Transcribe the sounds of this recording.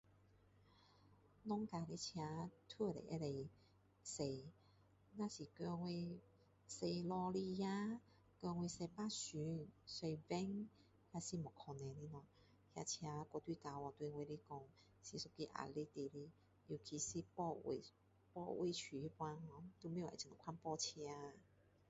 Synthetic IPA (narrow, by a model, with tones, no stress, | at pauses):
nɔ˦ŋka˧li˧˦t͡ɕʰja˧t̪ʰwə˥˧˨lḛ˨ʔe˧˦le˧ | se˧ | nã˧˨ɕi˨˩kɔ˧ŋwe˧ | se˧lɔ˧li˧ja˦ | kɔ˧ŋwe˧se˧pa˦˧˨ɕy˨˦se˧jvɛ˦ŋ | hja˧si˧˨mɔ˨˩kʰɔ˧ne˨˧li˦nwã˧ | hja̰˧t͡ɕʰja˧kɔ˧t̪wi˧˨ka˧wɔ˧˩t̪we˧we˧li˦kɔ˧˩ŋ | si˧su˧˩ki˧ʔa̰˨˩le˦t̪e˧˨li˦ | ji˨˩kʰi˧si˧pɔ˧wḛ˨˩ | pɔ˥˧ʔwe˧˦t͡ɕʰy˨i˧pwa˧ŋhɔ˧˦t̪u˧mẽ˦jḛ˨ĩ˨˩kʰwa˧npɔ˧t͡ɕʰja˧